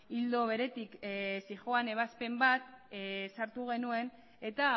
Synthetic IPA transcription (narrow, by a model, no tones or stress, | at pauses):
ild̪o̞β̞e̞ɾe̞t̪iksiʝoane̞β̞aspe̞mbat̪saɾt̪uɣ̞e̞nue̞n | e̞t̪a